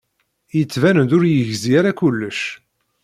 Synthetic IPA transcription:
jət͡sːvænənd̪ʊɾjəʝziaɾakʊlːəʃ

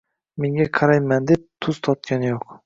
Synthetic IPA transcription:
me̞ŋʲaqʰɑɾajmand̪ep̚t̪ʰʊz̥t̪ʰɒt̪̚kʲanɪjoq

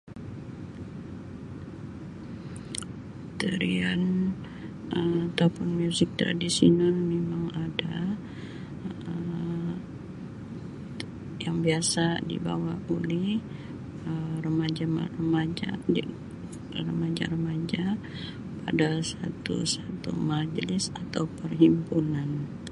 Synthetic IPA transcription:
t̪əɾian | əmat̪apʊnmijusɪk̚t̪ɾa̰disḭnalmemaŋada | ə | jaŋbiasadḭba̰waulɪh | ərəmad͡ʒama̰rəmad͡ʒa̰di | rəmad͡ʒa̰rəmad͡ʒa | pa̰dasat̪ṵsat̪ṵmad͡ʒlɪsat̪awpərɦimpunan

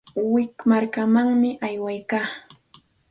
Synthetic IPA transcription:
wɪkmaɾkamaŋmɪʔajwajkaː

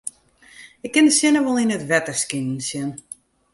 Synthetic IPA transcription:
ɪk̚ʰːɪnəsjɪnəʋɔlˠinətvɛtəskɪnsjɪn

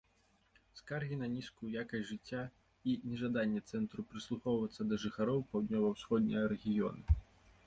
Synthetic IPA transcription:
skarɣʲinɐnʲiskujjakɐsʲʐɨt͡sʲːa | inʲɛʐad̪anʲːɛt̪sɛnt̪ɾupɾɨslˠuxɔwvɐt̪sːɐd̪ɐʐɨxaɾɔwpawd̪ʲnʲɔvɐwsxɔd̪ʲnʲɛɐɾɛɣʲijɔ̰nɨ

